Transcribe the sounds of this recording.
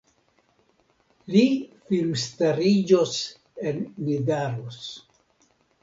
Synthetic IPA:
lifilmstaɾid͡ʒos | ennidaɾos

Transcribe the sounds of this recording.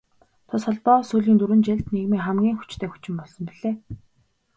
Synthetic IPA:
t̪ʰɔsɔɮpɔːsuːɮiːnt̪uɾɘ̆nt͡ɕeɮt̪neɣmeːχæmɡʲiːŋxu̥t͡ɕt̪ʰeːxu̥t͡ɕɪ̆mpɔɮsɞ̆mpiɮeː

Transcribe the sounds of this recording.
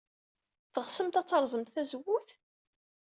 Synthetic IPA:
θəʁsəmt̪æt͡sːɑɾˤzˤəmt̪θæzəwːʊθ

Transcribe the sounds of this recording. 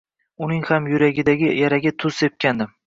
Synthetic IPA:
ʊnɪŋhamjʊɾaɡʲɪd̪aɡʲɪjaɾaɡʲat̪ʰʊz̥sep̚kʲand̪ɪm

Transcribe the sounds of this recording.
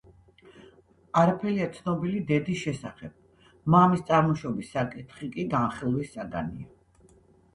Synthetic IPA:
aɾapʰɛliat̪sʰnɔbilid̪ɛd̪isʃɛsaχɛb̥̚ | mamist̪sʼaɾmɔʃɔbisːakʼit̪ʰχikʼiɡanχilˠwisːaɡa̰nḭa

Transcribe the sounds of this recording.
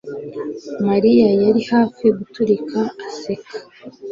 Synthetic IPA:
maɾijajaɾihaːfiɡutuɾikʰaːsekʰḁ

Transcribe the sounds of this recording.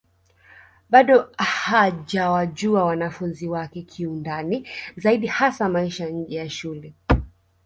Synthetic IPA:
ɓaɗɔhaʄawaʄuawanafunziwakɛkʰiundanizaiɗihasamaiʃaɲ̩d͡ʒɛjaʃulɛ

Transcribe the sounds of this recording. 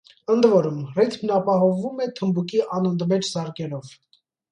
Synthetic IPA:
ənd̪vɔɾumrit̪ʰmnɑpɑɦɔvumɛt̪ʰəmbukiʔɑnənd̪mɛt͡ʃʰzɑɾkɛɾɔv

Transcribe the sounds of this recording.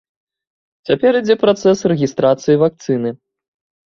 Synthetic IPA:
t͡sʲapʲɛɾid͡zʲɛpɾat̪sɛsrɛɣʲist̪ɾat̪sɨjivak̚t̪sɨnɨ

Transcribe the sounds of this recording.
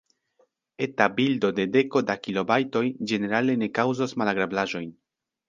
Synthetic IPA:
e̞tabildo̞de̞de̞ko̞dakilo̞bajto̞jd͡ʒe̞ne̞ɾale̞ne̞kawzosmalaɡɾablaʒo̞jn

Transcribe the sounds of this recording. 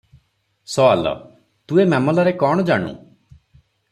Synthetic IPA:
sɔa̰lɔ̰ | t̪uemɛmɔlɔɾekɔɽ̃ɔd͡ʒaɽ̃ṵ̃

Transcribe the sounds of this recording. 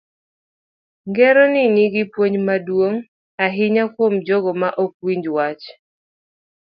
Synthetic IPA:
ŋɡɛɾɔnɪniɡɪpwoɲmadwoŋ | aɦɪɲakwomd͡ʒɔɡɔmaʔok̚wiɲd͡ʒwat͡ʃ

